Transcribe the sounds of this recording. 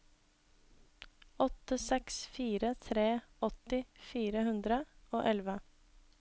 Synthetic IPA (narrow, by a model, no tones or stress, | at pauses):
ɔt̪əsɛksfiːɾət̪ʰɾeːɔt̪ɪfiːɾəhʉnd̪ɾəoːʔɛlʋə